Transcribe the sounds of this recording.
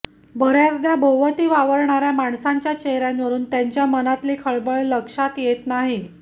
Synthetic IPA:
bʱəɾjat͡sd̪jabʱoʋət̪iːʋaʋəɾɳaɾjamaɳ̃saɲt͡ɕjat͡ɕeɦɾjanʋəɾuːnt̪jaɲt͡ɕjamənat̪liːkʰəɭbəɭləkʂat̪jet̪naɦi

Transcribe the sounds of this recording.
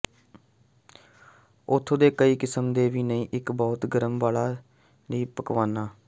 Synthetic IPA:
ʊːt̪ʰːoːd̪eːkəiːkɪsəmd̪eːʋiːnəĩːʔɪkbɔːt̪ɡəɾəmbaːɭaː | liːpəkʋaːnaː

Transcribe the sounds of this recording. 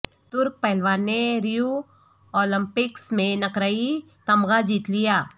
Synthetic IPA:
t̪ʊɾk̚pɐɦɪlʋaːɾneɾiju | oːlə̃mpɪksmẽnɐkɾai | t̪ɐmɣad͡ʒiːt̪lijaː

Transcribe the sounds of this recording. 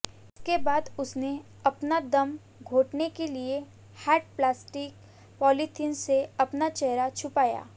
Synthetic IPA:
ɪskebaːd̪ʊsne | ɐpnad̪ɐm | ɡʱoːʈnekelie | hɛːʈ̚plaːsʈɪk | pɔːlɪt̪ʰɪnseɐpnat͡ʃɛɦɾat͡ʃʰʊpaːja̰ː

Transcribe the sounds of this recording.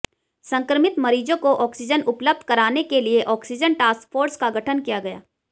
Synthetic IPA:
sɐ̃ŋkɾəmɪt̪mɐɾiːd͡ʒõkoʔɔːksɪd͡ʒənʔʊpləb̚d̪ʱkɐɾaːnekelieʔɔːksid͡ʒənʈaːskfʰoːɾskaɡʱɐʈʰənkijaɡɐja̰ː

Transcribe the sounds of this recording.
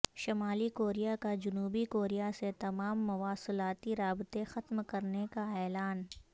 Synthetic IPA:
ʃɐmaːlikoːɾijakad͡ʒʊnuːbikoːɾijaset̪ɐmaːmːɐʋaːsɪlaːt̪iɾaːbɪt̪exɐt̪mkɐɾnekaɛːlaːn

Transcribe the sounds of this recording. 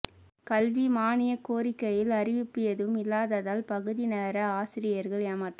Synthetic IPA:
kɐlʋimaːnɪjɐkːoːɾɪkːɐjɪlɐrɪʋɪpːɪjɐðɯmɪlːaːðɐðaːlpɐɣɯðinɐɾɐaːsɪɾɪjɐɾɣɐɭɐmɐʈː

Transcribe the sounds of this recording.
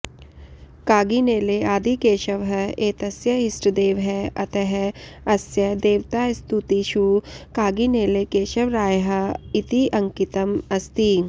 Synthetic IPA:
kaːɡiːneːleaːd̪ʱikeːʃɐʋɦɛeːt̪ɐsjɐɪsʈd̪eːʋɦɛɐt̪ɐɦɛɐsjɐd̪eːʋt̪aːst̪ut̪iʃukaːɡineːlekeːʃɐʋɾaːjɦɐit̪iʔɐ̃ŋkit̪ɐmɐst̪iːŋ

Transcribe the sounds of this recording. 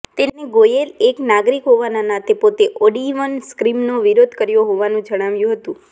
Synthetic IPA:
t̪eneɡojeleknaɡɾikɦoʋananat̪epot̪eʔɔɽiʋənskɾimnoʋiɾod̪ʱkəɾjoɦoʋanũd͡ʒəɽ̃aʋjũɦət̪ũ

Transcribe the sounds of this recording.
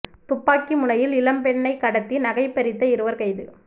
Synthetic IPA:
t̪ʊpːaːkimʊnɐjɪlɪlɐmpɛɳːɐɪkːɐɽɐt̪ːinɐɣɐɪpːɐɾɪt̪ːɐɪɾɯʋɐɾkɐɪðɯ

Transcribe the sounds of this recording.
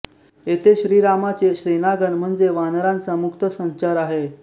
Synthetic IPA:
et̪ʰeɕɾiːɾamat͡seɕɾinaɡənm̤əɳd͡zeʋanɾãnt͡samukt̪əsənt͡ɕaɾaɦe

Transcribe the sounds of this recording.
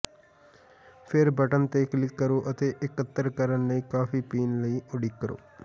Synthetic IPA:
pʰɪɾbəʈənt̪eːklɪkːəɾoːʔət̪eːʔɪkət̪ːəɾkəɾənləiːkaːfʰiːpiːnləiːʊɖɪkːəɾo̰ː

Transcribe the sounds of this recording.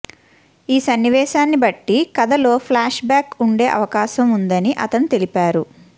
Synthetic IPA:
iːsɐnːiʋɛːʃaːnːibɐʈːikɐd̪ɐlo̞ːpʰlaːʂbaːkuɳɖe̞ːʔɐ̰ʋɐkaːʃɐmund̪ɐniʔɐ̰t̪ɐnut̪e̞lipaːɾu

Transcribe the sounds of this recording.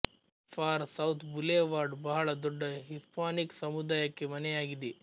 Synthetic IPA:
pʰaːɾsɐwt̪ʰbuleːʋaːɾɖbɐɦɐɭɐd̪ɔɖːɐɦispʰaːniksɐmud̪aːjɐkːe̞mɐnɛjaːɡid̪e

